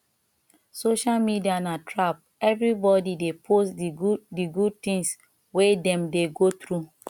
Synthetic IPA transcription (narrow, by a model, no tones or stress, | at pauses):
soʃalmidianatʰɹap̚ | ɛvɹibɔdidepʰosdidiɡud̚t̪ĩŋs | wedɛ̃mdeɡot̪ɾu